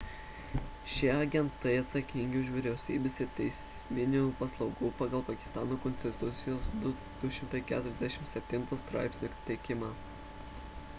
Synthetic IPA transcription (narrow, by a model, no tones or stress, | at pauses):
ʃʲɪɐɡʲɛnt̪ɐɪɐt̪sɐkʲɪŋʲɡʲɪʊʃ̬ʋʲɪɾʲɛʊsʲiːbʲesɪt̪ʲɛɪsʲ | mʲɪnʲuːpɐslˠɒʊɡuːpɑːɡɐlˠpɐkʲɪ̥st̪ɑːnoːkɔnʲst̪ʲɪt̪ʊt̪sʲɪjoːsd̪ʊ | d̪̥ʊʃʲɪmt̪ɐɪkʲæːt̪ʊɾʲɛzd̪ʲæʃʲɪmsʲɛpʲt̪ʲɪnt̪ost̪ɾɑ̰ˑɪpʲsʲnʲokt̪ʲɛɪkʲɪmɑ